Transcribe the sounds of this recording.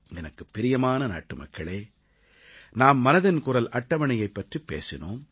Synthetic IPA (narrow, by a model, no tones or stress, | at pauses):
ɛnɐkːɯpːɪɾɪjɐmaːnɐna̰ːʈːɯmɐ̰kʰːɐɭeː | naːmːɐnɐðɪnkʊrɐlʔɐʈːɐʋɐɳɪjɐɪpːɐʈripːḛːsɪnoːm